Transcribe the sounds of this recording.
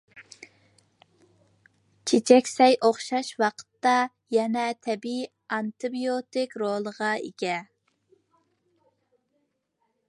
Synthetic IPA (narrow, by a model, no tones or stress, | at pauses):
t͡ʃʰet͡ʃʰɛkʲsɛjʔoχʃɑʃwɑqʰə̥t̪ːɑ | jɛnɛt̪ʰɛbi | ɑnt̪ɨbijot̪ɪkʲɾolˠəʁɑḛɡʲɛ